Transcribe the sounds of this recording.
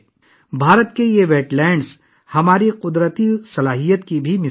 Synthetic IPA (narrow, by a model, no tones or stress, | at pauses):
bʱaːɾət̪kejeʋeːʈlɛːɳɖs | hɐmaːɾiqʊd̪ɾət̪isɐlaːɦijət̪kibʱimɪ